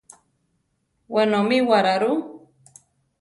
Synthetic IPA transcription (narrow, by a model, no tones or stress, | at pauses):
wenomɪwaɾaɾu